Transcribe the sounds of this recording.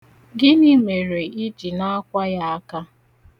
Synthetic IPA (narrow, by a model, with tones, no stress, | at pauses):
ɡɪ˦ni˦me˨ɾe˨i˦d͡ʒi˨na˦a˦kʷa˦ja˦a˦ka˦